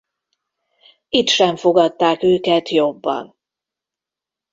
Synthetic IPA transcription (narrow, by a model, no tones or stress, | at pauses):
it̪ʃɛɱfo̞ɡɒt̪ːaːkøːkɛt̪jo̞bːɒ̰n